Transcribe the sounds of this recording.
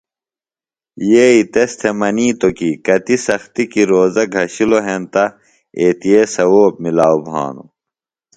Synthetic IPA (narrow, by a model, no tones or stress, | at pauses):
jeːit̪est̪ʰemɐniːt̪okikɐt̪isɐxt̪ikiɾoːzɐɡʱɐɕiloɦent̪ɐ | eːt̪ijeːsɐwoːp̚milaːubʱa̰ːnṵ